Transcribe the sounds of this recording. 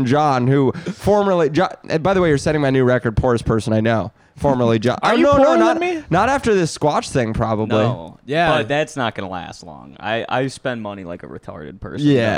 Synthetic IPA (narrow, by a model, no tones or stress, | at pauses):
nd͡ʒɑ̃nhufɔɹmə˞lˠid͡ʒɑbaɪðəweɪə˞sɛ̃ɾ̃ɪ̃ŋmaɪnʉɹɛkə˞d̚pʰɔɹɨspʰɜ˞sə̃naɪnoʊ | fɔɹmə˞l̩ˠid͡ʒɑ̰̃nonoʊnoʊnəminəɾæftə˞ðɪskwɑt͡ʃθɪ̃ŋpʰɹ̥ɑbəblijæbʌt̪̚ðætsnət̚ɡ̥ʌnəlæ̰stˡlɔ̰̃ŋa̰ɪa̰ɪspɛ̃nmʌnila̰ɪkə̰ɹɨ̰tʰɑ̰ɹɾɨ̰d̚pʰɜ̰˞sjæ